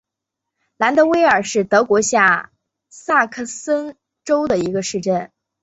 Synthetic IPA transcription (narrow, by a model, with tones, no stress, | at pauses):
la˧˥nt̪ɤ˧˥we˥ɪə˞˨˩ʂɻ̩˥˩t̪ɤ˧˥kwɔ˧˥ɕja˥˩ | sa˥˩kʰɤ˥˩sə˥n | ʈ͡ʂo˥ʊd̪ə˨i˧˥ɡə˧ʂɻ̩˥˧ʈ͡ʂə˥˩n